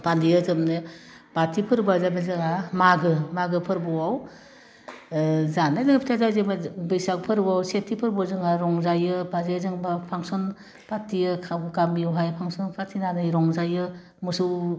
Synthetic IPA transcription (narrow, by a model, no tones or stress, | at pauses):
palijɯzɯmnɯ | b̥atʰipʰɯɾbazabzɯŋamaɡɯmaɡɯpʰɯɾbɔwaw | zanajzɯŋpʰitʰazazebabɯjsakpʰɯɾbɔawsetʰːipʰɯɾbɔzɯŋaɾɔŋzajɯbazezɯŋbapʰaŋsɔn | pʰatʰːijɯkʰaɡamiɯwɦajpʰaŋsɔnpʰatʰinanɯjɾɔŋzajɯ | mɯsuw